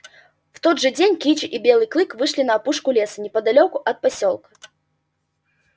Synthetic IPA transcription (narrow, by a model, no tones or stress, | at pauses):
w̥t̪ɔd̪ʐɨd͡zʲenʲkʲit͡ʃɨʔibʲelˠɨjklˠɨkvɨʂlʲinɐːpuʂkʊlʲesɐnʲɛpɐd̪alʲɔkʊʔɐt̪̚pasʲɔlˠkɐ